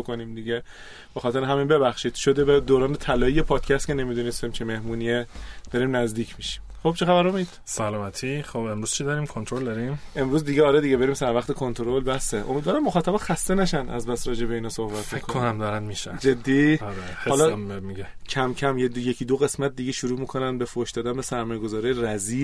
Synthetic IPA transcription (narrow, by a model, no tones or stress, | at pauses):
okonimd̪iɟe | b̥e̞xɒːt̪e̞ɾeɦæminbe̞bæxʃiːd̪̥ʃo̞d̪ebæd̪oːɾɒːnet̪ʰælɒːijepʰɒːd̪̥cʰæst̪kcʰe̞ne̞miːd̪uːnest̪imt͡ʃʰeme̞hmuːnijed̪̥ɒːɾiːmnæzd̪iːcʰmiʃi̥mxob̥̚t͡ʃʰexæβæɾomid̪̥sælɔːmæt̪ʰiχobemɾuːz̥t͡ʃʰid̪ɒɾiːmkʰont̪ɾold̪ɒɾimʔe̞mɾuːzd̪iɟeɒːɾed̪iɟebe̞ɾiːmsæɾvæχt̪ʰe̞kʰo̞nt̪ʰoɾolbæhseʔo̰mid̪vɒːɾæmːoxɒːt̪ʰæbɛxæst̪enæʃænæ̰zbæst̪ɾɒːd͡ʒe̞be̞iːnɒːso̞hbæt̪ʰmikʰoonæmd̪ɒːɾænmiʃæ̰d͡ʒed̪ːiːɾeehɒːlɒmiɡecʰæmcʰæmjejecʰiːd̪oɣe̞smæt̪̚d̪iɟeʃuɾuːmiːkʰo̞nænbefoʃd̪ɒːd̪ænbesæɾmɒːjeɡo̞zɒːɾiːjeɾæziː